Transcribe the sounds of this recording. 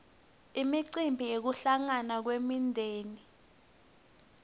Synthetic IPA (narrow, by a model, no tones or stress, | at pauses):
imiǀimbʱiek̬uɬaŋanak̬wemindʱeːni